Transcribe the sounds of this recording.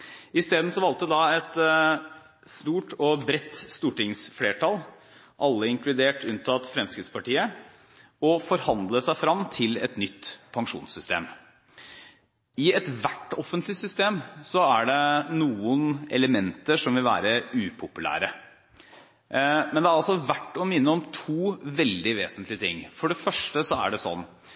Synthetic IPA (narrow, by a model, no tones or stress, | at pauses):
ɪst̪eːd̪n̩sɔʋɑlt̪əd̪ɑɛt̪ | st̪uːʈɔbɾɛt̪ːst̪uːʈɪŋsfleːʈʰɑl | ʔɑlːəɪŋklʉd̪eːʈʰʉnt̪ʰɑt̪fɾɛmskɾɪtspʰɑʈiːə | ɔfɔɾhɑnd̪ləsæɪfɾɑmt̪ʰɪlɛ̰t̪nʏt̪ːpʰɑŋʂṵːnsʏst̪ḛːm | ɪɛt̪ʋæʈːɔfːənt̪lɪsʏst̪eːmsɔæɖɛnuːənɛ̰ləmɛnt̪əʂɔmʋɪlʋæ̰ːɾəʉːpʰʊpʉlæ̰ːɾə | mɛnd̪ɛæɾɑlsɔʋæʈːɔmɪnːəɔmt̪ʰuːʋɛld̪ɪʋeːsənt̪lɪət̪ʰɪ̰ŋːfɔɖɛfœʂʈəsɔæ̰ɖɛsɔ̰nː